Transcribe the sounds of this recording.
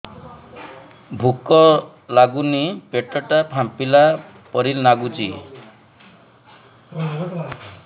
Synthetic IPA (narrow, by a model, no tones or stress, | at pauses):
bʱukɔ | laɡunipeʈɔʈapʰampila | pɔɾilnaɡud͡ʒi